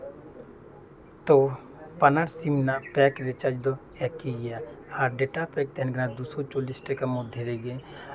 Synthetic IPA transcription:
t̪o | pɐnaɾsimnaʔpɛːkɾet͡ʃad͡ʒd̪o | ɛkiɡjaaːɾɖeːʈapɛːk̚t̪ɛɦɛnɡnad̪uːsot͡ʃoːlisʈekəmod̪ʱeɾeɡe

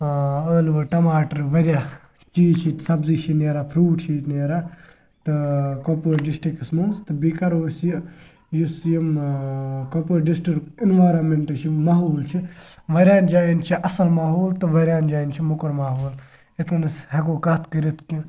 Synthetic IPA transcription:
əːlʋɐʈɐmaːʈɐɾʋɐɾʲjaː | kiːt͡ʃʰisɐbzit͡ʃʰineːɾapʰɾuːʈt͡ʃʰit̪neːɾaː | t̪ɨkopəːɖisʈɾikismɐnst̪ɨbikɐɾoːsji | jusjim | kopəːɖisʈɾiʈkinʋaːɾɐnmeɳʈɐt͡ʃʰimaːɦuːlt͡ʃʰiʋɐɾʲaːnd͡ʒaːint͡ʃʰiʔɐsɐlmaːɦoːlt̪ɨʋɐɾʲaːnd͡ʒaːint͡ʃʰimukɐɾmaːɦoːl | it̪ʰunɐshɐɡoːkat̪ʰkɐɾit̪ʰki

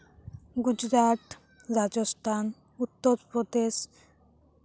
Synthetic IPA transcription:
ɡud͡ʑɾaʈ̪ | ɾad͡ʑost̪ʰan | ut̪ːoɾpɾod̪eʃ

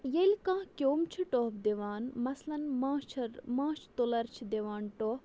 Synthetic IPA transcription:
jelʲkãːkʲoːmt͡ʃʰuʈoːpd̪eʋaːnmɐslɐnmãːt͡ʃʰmãːt͡ʃʰt̪olɐɾt͡ʃʰid̪eʋaːnʈoː

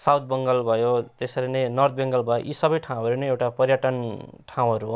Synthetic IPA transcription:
sawt̪̚ʰbʌŋɡʌlbʱʌjot̪esʌɾenʌnʌrt̪̚beŋɡʌlbʱʌjo̰ʔisʌbʌjʈʰaw̃ʌɾunʌewʈapʌrjaʈʌnʈʰaw̃ɦʌɾuɦo

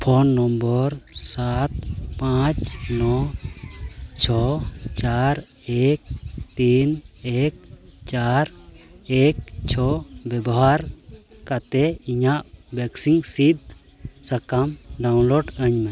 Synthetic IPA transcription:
pʰɔnːɔmbəɾsat̪pãt͡ʃnɔ | t͡ʃʰɔt͡ʃaɾ | ek̚t̪inek̚t͡ʃaɾek̚t͡ʃʰɔbɛbɔɦaɾkat̪ɛiɲaʔbɛksiŋsid̪̚ | sakamɖawnloɖəɲmɛ

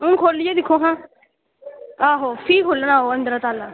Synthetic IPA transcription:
ʊ̃ːkʰoːlɪjeːd̪ɪkʰːoːɦãː | aːɦoːpʰiːkɦolənaːɦoːə̃nd̪əɾat̪aːlaː

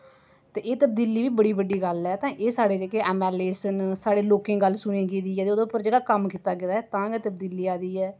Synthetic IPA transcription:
t̪eːʔeːt̪əb̚d̪iːliːʋiːbəɽiːbəɖiːɡəlɛːt̪ãːʔeːsaːɽeːd͡ʒeːkeːʔɛːmɛːleːsənsaːɽeːloːkẽːɡəlːsʊnẽːɡeːd̪iːɛːd̪eoːd̪õːpəɾd͡ʒeːɡaːkəmkiːt̪aːɡɪd̪aːɛːt̪ãːɡeːt̪əbd̪iːliːaːd̪iːɛː

